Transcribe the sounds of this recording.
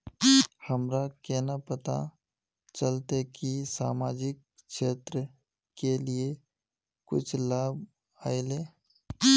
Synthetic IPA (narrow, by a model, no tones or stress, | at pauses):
həmɾakɛːnapət̪a̰ | t͡ʃəlt̪ekisa̰ːmaːd͡ʒɪk̚ | ʃeːt̪ɾə | kelie | kʊ̰t͡ʃʰlaːb | aːeleː